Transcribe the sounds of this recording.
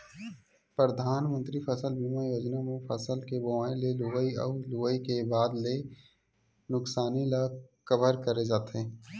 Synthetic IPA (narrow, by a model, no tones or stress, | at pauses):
pɾəd̪ʱaːnmə̃nt̪ɾifəsəlbiːmajoːd͡ʒnamẽfəsəlkeboaːẽleluʋəiɔ̰ːluʋəikebaːd̪le | nʊksaːnilakəʋəɾkəɾed͡ʒaːt̪eː